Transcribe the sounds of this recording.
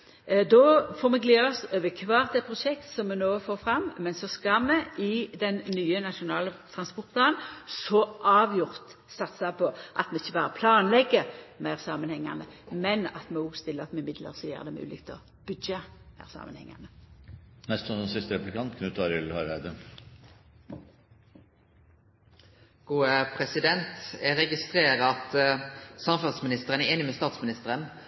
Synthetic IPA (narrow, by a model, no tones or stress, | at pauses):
d̪ɔfoːʁmɛɡleːɔsøːʋəkʰʋɑːʁt̪̚d̪ɛpʰɾʊʃɛkt̪sɔmːɛnoːfoːfɾɑmmɛnsɔskɑmɛʔɪd̪ɛnːyːənɑʃʊnɑːlət̪ʰʁɑnspɔt̪̚bɑːnsɔʔɑːʋjʊʁt̪ | sɑt̪sɑpʰɔʔɑ̰t̪mɛɪçːəbɑːɾəpʰlɑːnlɛɡːəmæɪʁsɑːmənhɛŋːɑ̰nə̰mɛnɑ̰t̪mɛuɡst̪ɪlːəɑt̪mɛɪmɪd̪lə̰ʁsɔjø̰ːʁd̪ɛmʉ̰ːlɪ̰k̚t̪ʰɔ | b̥ʉd̪d͡ʒəmæ̰ʁsɑ̰ːmʔənhɛ̰ŋːɑ̰nə | nɛst̪sɔnsɔnsɪst̪əɾɛplkʰɑnt̪kʰɑnʉt̪ʰɑɾɪlhɑɾæɪd̪ə | ɡ̥uːəpʰɾɛsɪd̪ɛnt̪ɛɾɛɡɪst̪ɾeːɾəɑt̪sɑmfɑsmɪnɪst̪əʁənəeːnɪmɛst̪ɑːt̪smɪnɪst̪əɾən